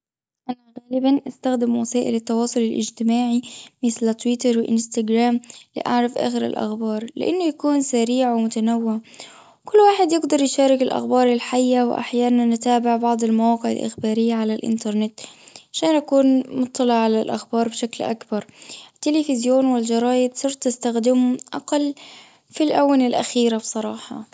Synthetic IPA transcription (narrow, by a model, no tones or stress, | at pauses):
ʔanaɣaːlɪbanʔast̪axd̪ɪmwasaːʔɪlɪt̪ːɑwɑːsˤʊlɪlʔɪ̰d͡ʒt̪ɪmaːʕimɪθlt̪wɪt̪ɑɾˤwɪʔɪ̰nst̪aɡɾaːmlḭʔa̰ʕɾˤafʔa̰ːxɪɾɪ̰lʔa̰xbɑːɾˤlɪ̰ʔanːʊjakuːnsaɾiːʕwɪmʊt̪anawːɪʕ | kʊlːwaːħɪd̪jɪɡd̪ɑɾˤjʃaːɾɪkɪlʔa̰xbɑːɾˤalħajːawɪ̰ʔa̰ħjaːnanːɪt̪aːbɪʕbɑʕd̪ˤɪlmawɑːqɪʕɪ̰lʔɪ̰xbaːɾɪjːaʕalalʔɪ̰nt̪ɑɾˤnɪt̪ʕaʃaːnʔakuːnmʊt̪ˤːɑlɪʕʕalalʔa̰xbɑːɾˤbʃaklʔa̰kbɑɾˤɪt̪ːɪlɪfɪzjoːnwɪld͡ʒɑɾˤɑːjɪd̪sˤɨɾt̪ˤɪst̪axd̪ɪmʔaqɑlː | filʔawːanɪlʔa̰xiːɾabsˤɑɾˤɑːħɑ̰